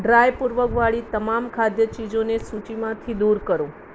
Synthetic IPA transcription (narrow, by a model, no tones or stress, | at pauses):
ɖɾajpuɾʋəkʋaɭit̪əmamkʰad̪jət͡ʃid͡ʒonesut͡ʃimãt̪ʰid̪uɾkəɾõ